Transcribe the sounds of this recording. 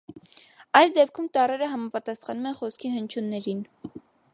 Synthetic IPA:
ɑjsd̪ɛpkʰumt̪ɑrɛɾəɦɑmɑpɑt̪ɑsχɑnumɛnχɔskʰiɦənt͡ʃʰunːɛɾin

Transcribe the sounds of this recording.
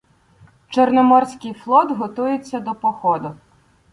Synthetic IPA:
t͡ʃernɔmɔrsʲkɪjflˠɔd̪ɦɔt̪ujɪt͡sʲːɐd̪ɔpɔxɔd̪ʊ

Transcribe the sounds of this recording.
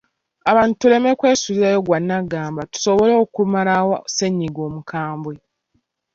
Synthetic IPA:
aβaːntu̥tule̞me̞kwe̞ːsuβiɾajo̞ɡwanːaɡaːmbatu̥so̞βolo̞ːkumalawose̞ɲːiɡo̞ːmukʰaːmbwe

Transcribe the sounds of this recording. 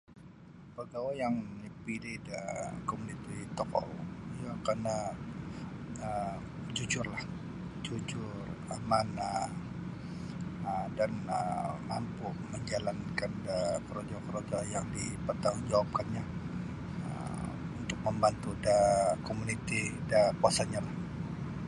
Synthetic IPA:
pəɡawajaŋdipilɪdəkomunit̪it̪ɔkɔ̰ljakarna | ə | d͡ʒud͡ʒʊrlah | d͡ʒud͡ʒʊ | ramana | ədanəlampʊməɲd͡ʒalankandəkəɾod͡ʒɔkəɾod͡ʒajaŋdipət̪aŋd͡ʒawap̚kanɲa | ə̰unt̪ʊk̚məmbant̪udakomunit̪idakuasaɲalah

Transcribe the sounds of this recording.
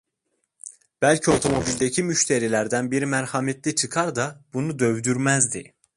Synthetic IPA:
b̥ælʲcʰio̞t̪ʰo̞mo̞bilʲd̪æcʰimyʃt̪ʰeɾilæɾd̪ænbiɾimæɾhɑmet̪ʰlit͡ʃʰɯkʰɑɾd̪ɑb̥unud̪ø̞vd̪yɾmæzd̪ḭ

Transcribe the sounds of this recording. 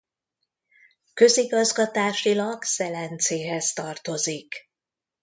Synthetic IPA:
kø̞ziɡɒzɡɒt̪aːʃilɒɡsɛlɛnt̪seːɦɛst̪ɒrt̪o̞zik

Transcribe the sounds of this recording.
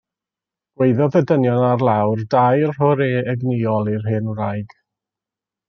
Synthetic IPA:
ɡ̥wejðɔðədənjɔnarlˠawrdajrhʊɾeːɛɡniːɔlˠirɦɨːnɾajɡ̥

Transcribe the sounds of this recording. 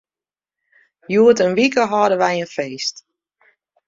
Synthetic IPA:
juətənʋikəɦɑdəʋɛjənfeːst

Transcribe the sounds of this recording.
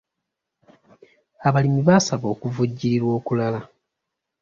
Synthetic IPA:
aβalimiβasaβo̞ːkuvuɟːiɾiɾwo̞ːkulala

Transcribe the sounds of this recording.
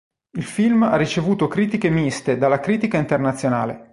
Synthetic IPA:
ilfilmarːit͡ʃevuːt̪okɾiːt̪ikemist̪ed̪alːakɾiːt̪ikaint̪ernat̪sːjonaːlḛ

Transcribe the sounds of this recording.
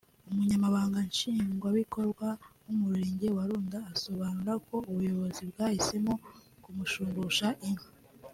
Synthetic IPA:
umuɲamaβaːŋɡanʃiːŋɡwaβikʰo̞ɾɡwa | umuɾɾe̞ːɲɟe̞waɾuːndaːso̞βanuɾako̞ʔuβujo̞βo̞zibɡaːhise̞mokumuʃuːŋɡuʃaʔiŋha

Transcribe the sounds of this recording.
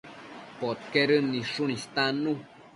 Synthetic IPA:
pot̪̚keɾənːiʂunist̪anũ

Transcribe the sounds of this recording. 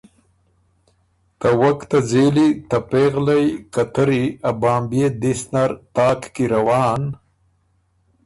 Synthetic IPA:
t̪awakt̪azeːlit̪apeːɣlajkat̪əɾiabaːmbjed̪isnaɾt̪ɑːkkiɾawɑːn

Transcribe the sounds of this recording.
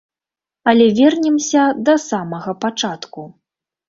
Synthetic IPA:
ɐlʲɛvʲɛrnʲɛmsʲɐd̪ɐsamɐɣɐpat͡ʂat̪ku

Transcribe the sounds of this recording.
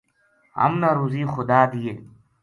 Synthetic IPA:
ɐ̰mnaɾuziːxʊd̪aːd̪ije

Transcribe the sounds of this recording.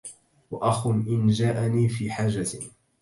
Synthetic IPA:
waʔaxʊmʔɪnd͡ʒaːʔaniːfiːħaːd͡ʒa

